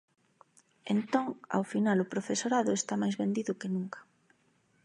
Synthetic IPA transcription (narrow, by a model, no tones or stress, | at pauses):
ent̪oŋa̰wfinalʊpɾofesoɾaðʊest̪amajzβend̪iðʊkenũŋkɐ̥